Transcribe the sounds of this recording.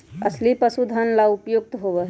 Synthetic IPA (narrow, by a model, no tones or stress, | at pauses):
əslipəsud̪ʱənlaupjoɡ̚t̪ɦobəɦ